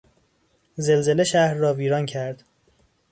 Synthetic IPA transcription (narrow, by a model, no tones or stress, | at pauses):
zelze̞le̞ʃæhɾːɒːviːɾɒːncʰæɾd̪̥